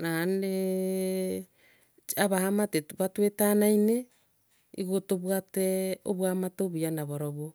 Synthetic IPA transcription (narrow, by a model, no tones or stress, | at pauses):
ɾane | aβahamateβatuetanajne | iɡotoβuateo̰βwamatoβianaβoɾoβo